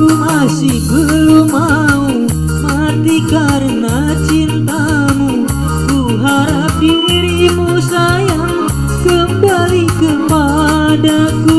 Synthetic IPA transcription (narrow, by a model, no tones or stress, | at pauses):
umasɪhbəlumau | ha | t̪ikaɾəna | t͡ʃint̪a | mu | ku | ɦaɾap̚iwiɾimusajaŋ | kəmbalikəpa | daku